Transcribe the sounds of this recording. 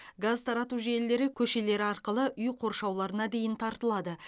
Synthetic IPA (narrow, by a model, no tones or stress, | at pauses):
ɡazt̪ʰɑɾɑt̪uʒe̞lːe̞ɾɪkʲʰɵʃe̞le̞ɾɪɑɾqəlˠəʔʏjqʰo̞ɾʃɑwlˠɑɾənɑd̪e̞jɪnt̪ʰɑɾt̪əlˠɑd̪ə